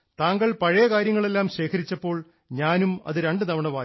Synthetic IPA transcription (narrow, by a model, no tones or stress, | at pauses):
t̪aːŋɡɐɭpɐɻɐjɐkaːɾjɐŋːɐɭe̞lːaːmɕe̞ːkʰɐɾit͡ɕːɐpːo̞ːɭ | ɲaːnumɐ̰ðɨɾeɳɖɨnɐʋɐɳɐʋaː